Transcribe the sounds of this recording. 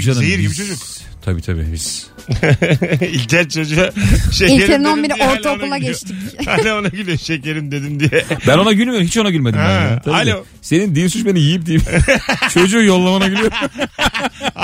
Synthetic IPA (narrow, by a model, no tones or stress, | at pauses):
ʃaneiɾɟibit͡ʃʰo̞d͡ʒuk | t̪ʰabḭːt̪ʰa̰bḭːbiz̥ | ilʲt̪ʰʲæɾt͡ʃʰo̞d͡ʒuaʃeieeɾinonbiɾioɾtlʰonulˠaɟɛt͡ʃt̪icalʲoonaɟylʲijoʃɛclʲeɾimd̪ed̪imd̪ijɛbæno̞naɟylʲmʲeɾmhit͡ʃo̞naɟylʲme̞dimjt̪ʰaalʲo | se̞nind̪iinsyt͡ʃbe̞nijijip̚d̪ijimt͡ʃʰo̞d͡ʒujo̞lˠːamanaɟylʲijoɾ